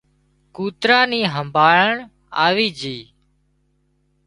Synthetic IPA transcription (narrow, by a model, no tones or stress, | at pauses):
kuːt̪ɾãːniːɦəmbʱaːɭəɳ | aːʋiːd͡ʒiː